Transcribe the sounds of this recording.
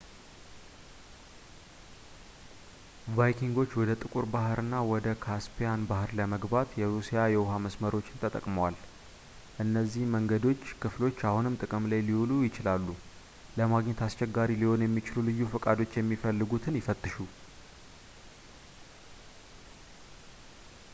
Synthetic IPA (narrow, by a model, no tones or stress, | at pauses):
vajkʰiŋɡo̞t͡ʃːwɔd̪ət̪ʼɨkʼuɾbaɦɨɾɨnːawɔd̪əkʰaspʰijanbahɨɾləməɡbat̪jɛɾusijajɛwɦaməsməɾo̞t͡ʃːɪnt̪ʰət̪ʼə̰kʼməwal | ʔɨnːəzːihməŋɡəd̪o̞t͡ʃːkʰɨflo̞t͡ʃːahunɨmt̪ʼɨkʼɨmlajliwulujɪt͡ʃɪlalːu | ləmaɡɲɛt̪ast͡ʃɛɡːaɾiliho̞njɛmːit͡ʃɪlulɨjːufəkʼad̪o̞t͡ʃːjɛmːifəlːɨɡut̪ʰɨnjɪfət̪ʼːɨʃu